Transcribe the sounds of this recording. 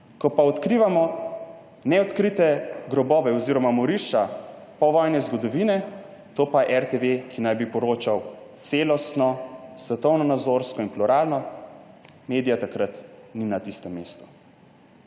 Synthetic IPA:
kɔpaɔt̪kɾiːʋamɔ | nɛɔt̪kɾit̪ɛɡɾɔbɔːʋɛɔziːɾɔmamɔɾiʃapɔʋɔjnɛzɡɔd̪ɔʋiːnɛ | t̪oːpaʔɛɾt̪eʋekʰinajbipɔɾoːt͡ʃaw | t̪seːlɔst̪nɔsʋɛt̪ɔwnɔnad̪zoɾskɔinpluɾaːlnɔ | meːd̪ijat̪akɾat̪ninat̪ist̪ɛmːeːst̪u̥

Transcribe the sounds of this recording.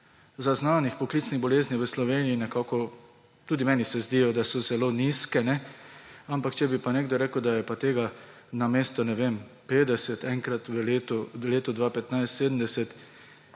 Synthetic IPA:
zaznaːnixpɔklit̪sniɣbɔleːzniʋəslɔʋeːnijinɛkaːkɔ | t̪uːd̪imɛːnisɛzd̪iːjɔd̪asɔzɛloːniskɛnɛ | ampakt͡ʃɛbipaneːɡ̚d̪ɔɾɛːkəwd̪ajɛpat̪eːɡa | nameːst̪ɔnɛʋem | peːd̪ɛsɛt̪ɛŋkɾat̪ʋəleːt̪ɔleːt̪ɔd̪ʋaːpɛt̪najst̪seːd̪əmd̪ɛsɛt̪

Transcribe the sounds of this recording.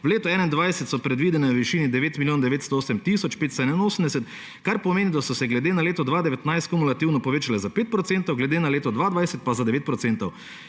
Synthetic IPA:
wleːt̪ɔɛːnaind̪ʋajsɛt̪sɔpɾɛd̪ʋid̪ɛnɛʋiʃiːnid̪ɛʋeːt̪miljoːnd̪ɛʋeːt̪st̪ɔoːsɛmt̪isɔt͡ʃpeːt̪st̪ɔɛnɛnoːsəm̩d̪ɛsɛt̪ | kaɾpɔmeːnid̪asɔsɛɡlɛd̪eːnaleːt̪ɔd̪ʋaːd̪ɛʋɛt̪najst̪kumulat̪iwnɔpɔʋeːt͡ʃalɛzapeːt̪̚pɾɔt̪seːnt̪ɔwɡlɛd̪enaleːt̪ɔd̪ʋaːd̪ʋajsɛt̪̚pazad̪ɛʋeːt̪̚pɾɔt̪seːnt̪ɔw

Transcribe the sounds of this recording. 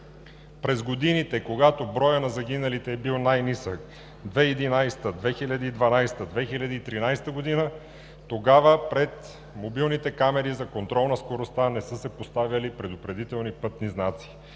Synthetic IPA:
pɾɛzɡod̪init̪ɛkoɡat̪obɾɔjənɐzɐɡ̟inɐlit̪ɛːbilˠnajnisək | d̪vɛid̪inajst̪əd̪vɛxilʲɐd̪əid̪vɐnajst̪əd̪vɛxilʲɐd̪əit̪ɾinajst̪əɡod̪inə | t̪oɡavəpɾɛt̪ | mobilˠnit̪ɛkamɛɾizɐkont̪ɾɔlˠnɐskoɾost̪anɛsɤsɛpost̪avʲjɐlipɾɛd̪ʊpɾɛd̪it̪ɛlˠnipɤt̪niznat̪si̥

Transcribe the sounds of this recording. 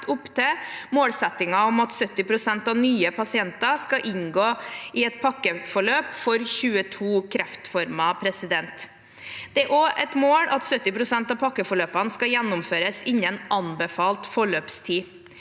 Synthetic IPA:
ʊpt̪ʰeːmoːlsɛt̪ːɪŋɑɔmɑt̪sœt̪ːɪpʰɾʊsɛnt̪ɑʋnyːəpʰɑsɪɛnt̪ɑskɑʔɪnɡoːɪɛt̪̚pʰɑkːəfɔɭøːpfɔɾçʉːət̪ʰuːkʰɾɛft̪fɔɾmɑpʰɾɛsɪd̪ɛnt̪ | d̪̥ɛæɾʔoʔɛt̪moːlʔɑt̪sœt̪ːɪpɾʊsɛnt̪ɑːpʰɑkːəfɔɭøːpɑnəskɑjɛnːʊmføːɾəsɪnːɛnʔɑnbɛfɑːlt̪fɔɭøːpst̪ʰiː

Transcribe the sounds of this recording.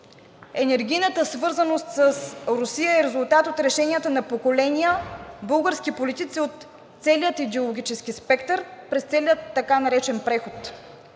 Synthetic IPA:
ɛnɛɾɡ̟ʲijnət̪əsvɤɾzənost̪səsɾʊsijəɛɾɛzʊlˠt̪at̪ot̪ɾɛʃɛniət̪ənɐpokolɛniəbɤlˠɡəɾsk̟ipolit̪it̪siot̪ː | sɛliət̪id̪ɛolˠoɡʲit͡ʃɛsk̟ispɛkt̪əɾpɾɛst̪sɛliət̪ːɐkanɐɾɛt͡ʃɛnpɾɛxot̪

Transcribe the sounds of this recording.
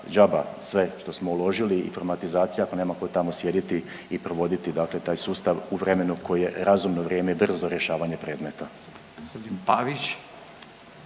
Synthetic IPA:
d͡ʒabasʋe̞ʃt̪o̞smo̞ulˠo̞ʒiliḭfoɾmat̪izaːt̪sijaakoneːmako̞t̪amo̞sje̞d̪it̪i | ipɾo̞ʋo̞d̪it̪id̪akle̞t̪aːjsuːst̪aʋuʋɾe̞me̞nukʰo̞jije̞ɾazumnoʋɾje̞ːmebr̩zoɾje̞ʃaːʋaɲe̞pɾe̞ːd̪me̞t̪a | ɡopod̪inpaʋit͡ɕ

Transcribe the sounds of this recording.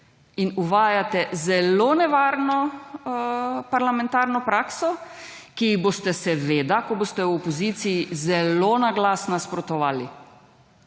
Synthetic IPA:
inuʋaːjat̪ɛzɛlonɛʋaːɾnɔ | paɾlamɛ̃nt̪aːɾnɔpɾaːksɔkiiɣboːst̪ɛsɛʋeːd̪akɔboːst̪ɛwɔpɔziːt̪sijizɛloːnaɡlaːsnaspɾɔt̪ɔʋaːli

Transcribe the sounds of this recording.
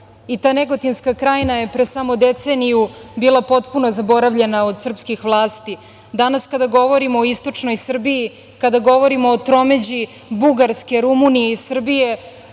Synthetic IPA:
it̪aːneɡo̞t̪inskakɾaːjnaje̞pɾesamod̪e̞t̪senijubiːlˠapo̞t̪puno̞zabo̞ɾaʋʎe̞naod̪sr̩pskixʋlˠaːst̪i | d̪anaskad̪aɡo̞ʋo̞ɾimoːist̪o̞t͡ʂno̞jsr̩biji | kad̪aɡo̞ʋo̞ɾimoːt̪ɾo̞me̞d͡ʑi | buɡaɾske̞ɾumunijeisr̩bije̞

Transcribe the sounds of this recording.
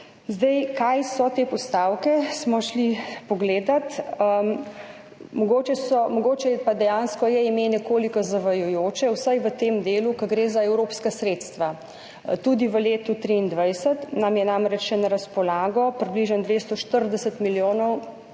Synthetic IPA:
zd̪ɛjkajsɔt̪eːpɔst̪awkɛsmɔʃlipɔɡleːd̪at̪ | mɔɡoːt͡ʃɛsɔmɔɡoːt͡ʃɛpad̪ɛjanskɔjɛimenɛkoːlikɔzaʋɐjujoːt͡ʃɛwsajʋət̪emd̪eːlukɐɡɾeːzaɛwɾoːpskasɾeːt̪st̪ʋa | t̪ud̪iʋəleːt̪ut̪ɾiiːnd̪ʋajsət̪namjɛnamɾɛt͡ʃʃɛnɐɾɐspɔlaːɡɔpɾibliʒənd̪ʋeːst̪ɔʃt̪əɾd̪ɛsət̪miljoːnɔw

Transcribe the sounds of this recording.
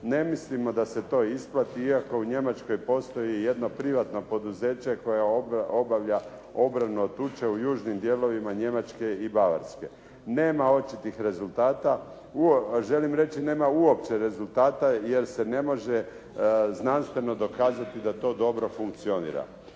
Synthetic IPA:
ne̞mislimo̞d̪ase̞t̪o̞ːisplˠat̪iiako̞uɲe̞mat͡ʃko̞jpo̞st̪o̞jije̞d̪no̞pɾiʋat̪no̞po̞d̪uze̞ːt͡ɕe̞ko̞jao̞baʋʎa | o̞bɾanuot̪ut͡ʃe̞ujuːʒnimd̪je̞lo̞ʋimaɲe̞mat͡ʃke̞ibaʋa̰ɾske̞ | ne̞ːmao̞t͡ʃit̪ixɾe̞zulˠt̪aːt̪a | uoʒe̞limɾe̞t͡ʃine̞ːmauo̞pt͡ʃe̞ɾe̞zulˠt̪aːt̪aje̞ɾsene̞mo̞ʒe | znanst̪ʋe̞no̞d̪o̞kaːzat̪id̪at̪o̞ːd̪o̞bɾo̞fuŋk̚t̪sio̞nḭːɾa̰

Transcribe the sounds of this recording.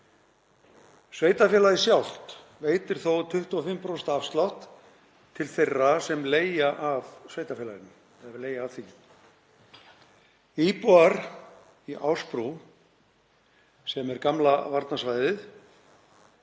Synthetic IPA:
sveːjt̪afjɛːlaðɪsjawl̥t̪ | veːjt̪ɪɾ̥θowt̪ʰʏht̪uɔfɪmpɾost̪afst̪lawht̪ | t̪ʰːɪlθejrːasɛmleːjaʔavsveːjt̪afɛːlaɾɪnːʏ | ɛleːjaːvθi | iːpuaɾ̥ | iʔawspɾu | sɛmɛɾkamlavaɾt̪nasvaːjðɪθ

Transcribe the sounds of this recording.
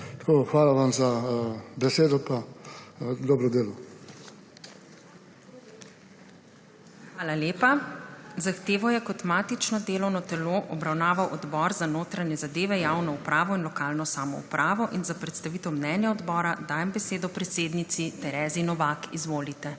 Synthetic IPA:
t̪ḁkoxʋaːlaʋamzabɛseːd̪ɔpa | d̪ɔbɾɔd̪eːlɔ | xʋaːlaleːpazaxt̪eːʋɔjɛkɔt̪maːt̪it͡ʃnɔd̪eːlɔwnɔt̪ɛloʔɔbɾawnaːʋawʔɔd̪bɔːɾzanoːt̪ɾaɲjɛzad̪eːʋɛjaːwnɔupɾaːʋɔinlɔkaːlnɔsaːmɔ̰ṵpɾʔaːʋɔʔinzapɾɛt̪st̪aʋiːt̪ɛwmnɛːnjaɔd̪bɔːɾad̪aːjɛmbɛseːd̪ɔpɾɛt̪seːd̪nit̪sit̪ɛɾɛːzinɔʋaːkizʋoːlit̪ɛ

